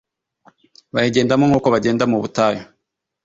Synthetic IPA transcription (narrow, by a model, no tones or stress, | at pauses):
βajeɟeːndamoŋ̥uːkoβaɟeːndamuβutajo